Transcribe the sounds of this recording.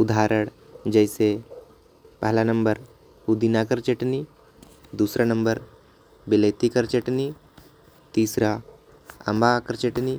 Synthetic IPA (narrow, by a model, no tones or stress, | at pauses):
ud̪ʱaːɾəɽ | d͡ʒəjse | pəɦlanəmbəɾ | hud̪inakəɾt͡ʃeʈni | d̪uːsɾanəmbəɾ | biləjt̪ikəɾt͡ʃeʈni | t̪iːsɾa | ə̰mbakəɾt͡ʃeʈni